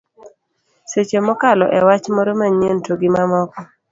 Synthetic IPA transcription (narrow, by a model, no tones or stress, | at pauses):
set͡ʃemɔkalɔ̰ʔɛwat͡ʃmɔɾomaɲentoɡɪmamɔkɔ